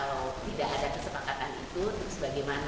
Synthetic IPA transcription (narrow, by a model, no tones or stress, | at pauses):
lot̪idaʔadakəsəpakat̪anḭt̪ut̪ʊksəbaɡajman